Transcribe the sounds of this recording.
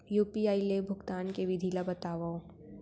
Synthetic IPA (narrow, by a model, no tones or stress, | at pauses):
juːpiaːilebʱʊɡt̪aːnkeʋɪd̪ʱiːlabɐt̪aːʋaõ